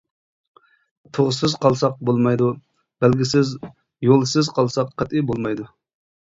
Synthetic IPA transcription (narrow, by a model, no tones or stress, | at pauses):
t̪ʰoʁʊsɨzqɑlˠsɑq̚bolˠmɑjd̪u | b̥ælɡʲisɪz | jolˠsɨzqʰɑlˠsɑqqɛt̪ibolˠmɑjd̪u